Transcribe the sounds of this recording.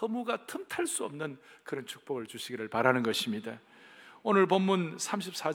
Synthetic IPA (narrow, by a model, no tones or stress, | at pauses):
ʌmuɡatʰɯmtʰaɭs͈uʌmnɯnkɯɾʌnt͡ɕʰu̥k̚p͈ʌɡɯɭt͡ɕuɕʰiɡiɾɯɭpaɾanɯnɡʌɕʰimɲida | onɯɭp̬ʌmːunsʰamɕʰip̚s͈a